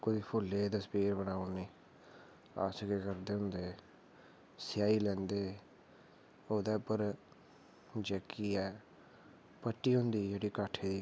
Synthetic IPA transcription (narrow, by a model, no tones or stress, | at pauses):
kʊiːpʰʊlːeːt̪əspiːɾbənaːoniː | a̰ːskeːkəɾd̪eːɦʊ̃nd̪eː | sɪjaːiːlɛ̃ːnd̪eː | oːd̪eːpəɾ | d͡ʒɛːkːiːɛː | pəʈːiːɦʊ̃nd̪iːd͡ʒeːɽiːkaːʈʰeːd̪iː